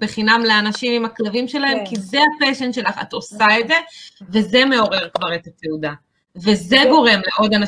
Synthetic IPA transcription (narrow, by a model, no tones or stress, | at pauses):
b̥eχinamle̞anaʃimimaklavimʃe̞laɦe̞mkizeapeʃenʃe̞laχa̰t̪o̞saed̪ze̞ve̞zeme̞o̞ʁe̞ʁkvaʁe̞t̪ateuda | ve̞ze̞ɡo̞ʁe̞mleʔo̞dana